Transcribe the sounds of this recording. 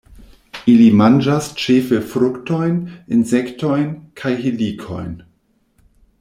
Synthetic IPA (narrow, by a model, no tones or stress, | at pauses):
ʔilimand͡ʒast͡ʃefefɾʊktojninzɛktojnkʰajɦilikʰo̰jn